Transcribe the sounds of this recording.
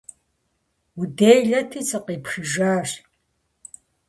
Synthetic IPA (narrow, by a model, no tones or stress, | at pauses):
udeːjɮɐtʰiːt͡sʰʼɨqiːpʂɨʒaːɕ